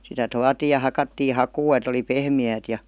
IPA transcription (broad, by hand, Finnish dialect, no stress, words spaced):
sitæ tuɑtiː jɑ hɑkɑtːiː hɑkuː et oli pehmiæːt jɑ